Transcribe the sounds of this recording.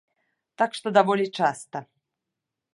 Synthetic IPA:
t̪akʂt̪ɔd̪avɔlʲit͡ʂast̪ɐ

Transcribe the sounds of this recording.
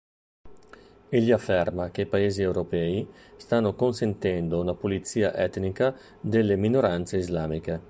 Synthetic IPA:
eʎːiafːɛrmak̟eipaeːziewɾopɛːi | st̪anːokonsent̪ɛnd̪ounapolit̪siːa̰ʔɛt̪nika | d̪elːeminoɾant̪seizlaːmike

